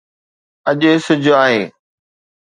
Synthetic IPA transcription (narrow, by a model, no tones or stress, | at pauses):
ɐʄesʊd͡ʑʱaːɦeː